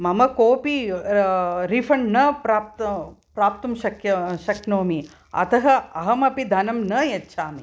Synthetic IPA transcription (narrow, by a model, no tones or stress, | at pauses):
mɐmɐkoːpi | ɾifʰɐɳːɐpɾaːp̚t̪ɐpɾaːp̚t̪ɐmʃɐkjɐʃɐknoːmi | ɐ̰t̪ɐɦɐɐɦɐmɐpid̪ʱɐnɐmnɐjetːʃʰaːmi